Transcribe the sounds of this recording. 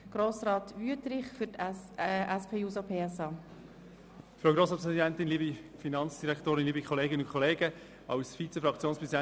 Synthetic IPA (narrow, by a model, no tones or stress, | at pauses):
ɡ̥ɾoːsrɑːt̪ʋyətɾɪχfʏtʔæspʰeːjuːsopʰeːɛsɑː | fɾaʊɡɾoːsɑtpʰʁɛzidɛnt̪ɪnliːbifinɑnt͡sd̥iɾɛktoːɾɪnliːbikʰɔleːɡənʊnkʰχɔleːɡə | ɑʊsfit͡səfɾɑkt͡sjoːnspɾɛzidɛ